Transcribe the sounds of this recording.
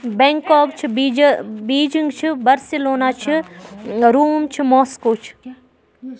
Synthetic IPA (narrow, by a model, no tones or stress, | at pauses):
bɛ̃ːŋkɔːkt͡ʃʰiibiːd͡ʒĩŋɡt͡ʃʰibɐɾsiloːnaːt͡ʃʰi | ɾuːmt͡ʃʰimɔːskoːt͡ʃʰi̥